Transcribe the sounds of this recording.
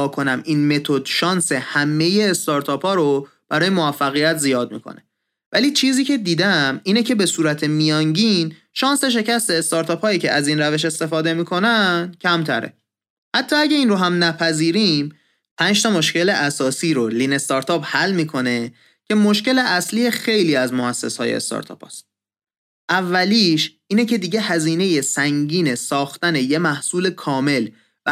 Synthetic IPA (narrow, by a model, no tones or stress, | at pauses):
kʰo̞næmiːnme̞t̪ʰo̞d̪̥ʃɒːnse̞hæmːe̞jeːst̪ɒɾt̪ʰɒːpʰhɒːɾo | b̥æɾɒːje̞movæfːæɣijæt̪zijɒːd̪̚mḭkʰo̰ne̥ | væliːt͡ʃʰiːziːcʰe̞d̪iːd̪æmiːne̞cʰe̞be̞suːɾæt̪ʰe̞mijɒːŋɟin | ʃɒːnse̞ʃ̬e̞cæst̪e̞ːst̪ɒːɾt̪ʰɒːphɒːjiːcʰe̞̰ʔæziːnɾæve̞ʃ̬e̞st̪e̞fɒːd̪e̞miːkʰo̞næncʰæmt̪ʰæ̰ɾḛ | hæt̪ʰːɒːæɡɟæiːnɾoɦæmnæpʰæziːɾiːm | pʰænʃt̪ɒmo̞ʃce̞leʔæsɒːsiːɾoliːne̞st̪ɒːɾt̪ʰɒːphælːmiːkʰo̞ne̞ | cʰe̞mo̞ʃceleʔæsliːjexejliːæzmoæsːe̞̰sɒ̰ːjḛḛst̪ɒ̰ɾt̪ʰɒ̰ːpʰɒ̰st̪̚ | ʔævːæliːʃ | iːne̞cʰe̞d̪iːɟe̞hæziːne̞je̞sæŋɟiːne̞sɒːxt̪æne̞je̞mæhsuːle̞kʰɒːme̞l | væ